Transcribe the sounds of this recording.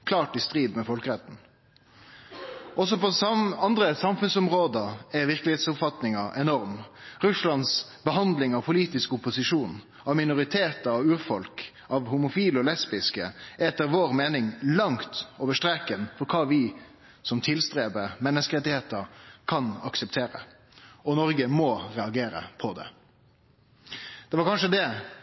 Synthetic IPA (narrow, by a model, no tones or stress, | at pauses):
kʰlɑːʈɪst̪ɾiːd̪mɛfɔlkəɾɛt̪n̩ | ʔɔsɔpʰɔɑnd̪ɾəsɑmfʉnsʊmʁoːd̪əɛɾʋɪʁklɪheːt̪sʊpfɑt̪nɪŋɑʔɛnɔɾmɾʉslɑnsbəɦɑnd̪lɪŋɑʋpʰʊliːt̪ɪskʊpːʊsɪʂuːn | ɑʋmɪnʊɾɪt̪ʰeːt̪ɑʋʉːɾfɔlk | ɑʋhʊmʊfiːlɔlɛspɪskəɛt̪ːəɾʋoːɾmeːnɪŋlɑŋt̪oːʋəʂtɾɛkənfɔɾkʰɑːʋɪ | sɔmt̪ʰɪlst̪ɾeːbəmɛnːəskəɾɛt̪ːɪheːt̪əɾkʰɑnɑksɛp̚t̪ʰeːɾə̰ | ɔnɔɾɡəmɔːʁɛɑɡeːɾə̰pʰɔd̪ɛ̰ | d̪̥ɛʋɑɾkʰɑnʂəd̪ɛ